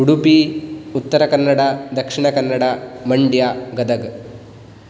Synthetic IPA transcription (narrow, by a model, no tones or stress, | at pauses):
uɽupiut̪ːɐɾɐkɐnːɐɽad̪ɐkʂiɳɐkɐnːɐɽamɐɳɖjaɡɐd̪ɐɡ